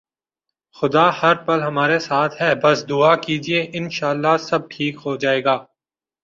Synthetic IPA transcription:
xʊd̪ahɐɾpɐlɦɐmaːɾesaːt̪ʰɦɛːbɐsd̪ʊakiːd͡ʒieʔɪnʃaːəlːasɐb̚ʈʰiːkɦod͡ʒaːeːɡaː

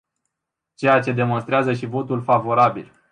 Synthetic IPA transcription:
t͡ʃe̞jat͡ʃe̞d̪e̞mo̞nst̪ɾeazəʃivo̞t̪ulfavo̞ɾabil

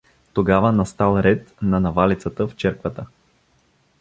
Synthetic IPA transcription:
t̪oɡavənɐst̪alˠɾɛt̪nɐnɐvalit̪sət̪əft͡ʃɛɾkvət̪ə

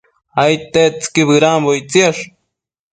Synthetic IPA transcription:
ajt̪et͡skibɡɾambojt͡seʂ

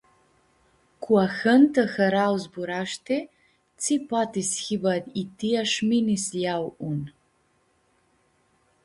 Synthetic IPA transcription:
kʰʷwaxɐnt̪ʰɐxɐɾawzbuɾaʃt̪ʰe | t͡sʰipat̪isxibad̪itʰiaʃminisjawun

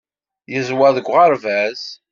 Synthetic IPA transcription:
jəzwaðəɡʷːʁɑɾvæz̥

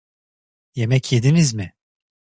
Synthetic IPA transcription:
jemɛcʰjed̪inizmɪ

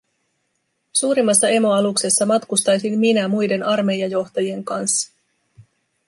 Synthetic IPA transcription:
suːɾimːɑsːɑe̞mo̞ɑlukse̞sːɑmɑt̪kust̪ɑjsimminæmujde̞nɑrme̞jɑjo̞xt̪ɑjie̞ŋkɑnsːɑ̥

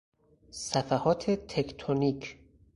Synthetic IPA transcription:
sæfæhɒːt̪ʰet̪ʰekʰt̪ʰonikʰ

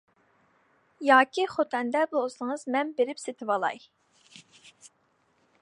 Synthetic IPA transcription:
jɑːkʲʰiχot̪ʰɛnd̪ɛblˠosɨŋəzmɛnbeɾɪpset̪ʰɪwɑlˠɑ̰j

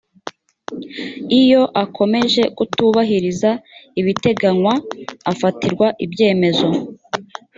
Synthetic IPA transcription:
ijo̞ʔakʰo̞me̞ʒe̞kutuβaɦiɾizaiβite̞ɡaŋwaːfatiɾɡwaʔibje̞ːme̞zo̞

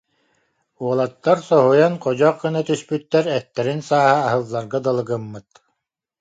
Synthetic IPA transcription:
uɔlˠat̪ːaɾsɔɦujanqɔd͡ʑɔqːɯnat̪yspyt̪ːɛɾɛt̪ːɛɾinsaːhaːɦɯlˠːaɾɡad̪alˠɯɡɯmːɯt̪

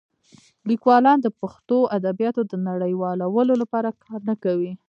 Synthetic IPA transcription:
likwɑlɑnd̪əpaxt̪oʔad̪abjɑt̪od̪ənaɽəjwɑlawəlolapɑɾakʰɑɾnəkawi

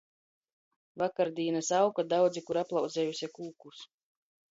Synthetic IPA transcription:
vakaɾd̪iːnasawkad̪awd̪zikuɾaplˠawd̪zɛjusʲɛkuːkus

